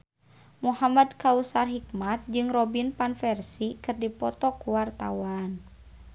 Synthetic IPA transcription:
muhamadkausarɦik̚mat̪̚d͡ʒɨŋrɔbinpanfɛrsikɨrdipɔt̪ɔkuwart̪a̰wan

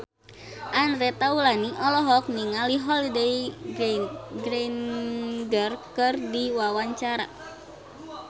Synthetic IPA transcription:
ʔanɾɛt̪aulaniʔɔlɔɦɔk̚niŋaliɦɔlidej | ɡɾenɡərkɨrdiwawaɲt͡ʃaɾa̰

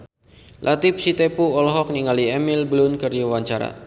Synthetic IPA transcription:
lʔat̪ɪp̚sit̪epuɔlɔɦɔk̚niŋaliɛmilblʊnkərdiawaɲt͡ʃaɾa̰

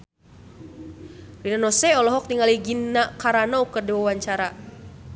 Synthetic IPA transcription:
rinanɔsɛɔlɔɦɔk̚t̪iŋaliɡinːakaɾanɔukərdiwawaɲt͡ʃaɾa

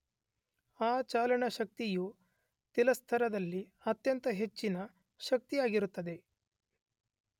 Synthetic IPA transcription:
aːt͡ʃaːlɐɳɐʃɐk̚t̪iju | t̪ɛlɐst̪ʰɐɾɐd̪ɐlːi | ɐt̪jɐnt̪ɐɦe̞t͡ʃːinɐ | ʃɐk̚t̪ijaːɡiɾut̪ːɐd̪e̞

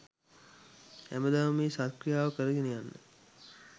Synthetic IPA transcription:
æ̰məd̪aːʋəmeːsat̪krijaːʋəkəɾəɡenəjanːə̰

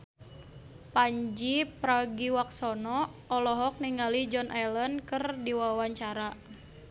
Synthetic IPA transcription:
paɲd͡ʒipɾaɡiwak̚sɔnɔ | ɔlɔɦɔk̚niŋalid͡ʒɔnʔalɔnkɨrdiwawaɲt͡ʃaɾa

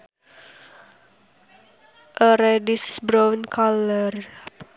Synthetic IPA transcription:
ʔəɾɛdisbɾawnkʰalər

